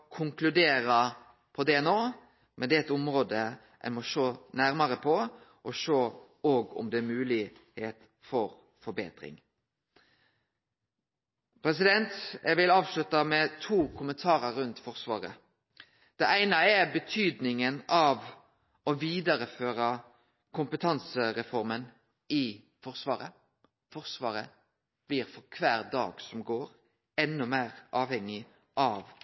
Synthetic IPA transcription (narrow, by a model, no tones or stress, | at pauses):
kʰʊŋklʉd̪eːɾɑ | pʰɔd̪ɛɛnoː | mʔɛnd̪ɛɛt̪ʊmɾoːd̪ə | ʔɛ̰nmɔʃoːnæɾmɑɾəpʰɔ | ʔɔʃoː | oːɡʊ̰md̪ɛmʉːlɪheːt̪ | fɔɾ | fɔɾbḛːt̪ɾɪ̰ŋ | pʰɾɛsɪd̪ɛnt̪ɛʋɪlɑːʋslʉt̪ɑmɛt̪ʰuːkʰʊmənt̪ʰɑːɾəɾːʉnt̪fɔɾsʋɑ̰ːɾə̰ | d̪̥ɛʔæɪnɑɛbət̪ʰyːd̪nɪŋənɑʋ | ɔʋiːd̪ɑɾəføːɾɑ | kʰʊmpət̪ʰɑnsəɾɛfɔɾmən | ɪ | fɔʁsʋɑːɾə̰ | fɔʁsʋɑːɾə | b̥liːɾfɔʁkʰʋæːɾd̪ɑ̰ːɡsɔmɡoːɾ | ɛnːʊmæːʁʔɑːʋhɛŋːɪ | ʔɑʋ